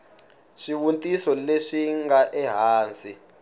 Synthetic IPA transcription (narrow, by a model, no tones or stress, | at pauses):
ʂiwuntʼisɔleʂiŋɡaʔɛɦaːnd͡zʼi